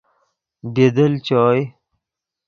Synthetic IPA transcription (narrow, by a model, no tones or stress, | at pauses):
bed̪əlt͡ɕɔːj